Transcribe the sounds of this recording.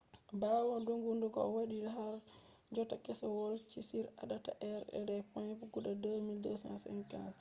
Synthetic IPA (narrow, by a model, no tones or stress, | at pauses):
bawɔnduŋɡundukɔɔwaɗidɔɦaɾ | d͡ʒɔtakɛsɔwɔlt͡ʃisiɾa̰ɗata̰ʔɛɾɛ̰dɛpanpuɡuɗadomildɔsanasɛ̰ŋka̰n